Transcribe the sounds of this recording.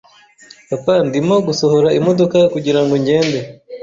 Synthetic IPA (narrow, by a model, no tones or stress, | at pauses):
papandimo̞ɡusohoɾaimo̞do̞kakuɟiɾaŋɡoɲɟe̞ːnde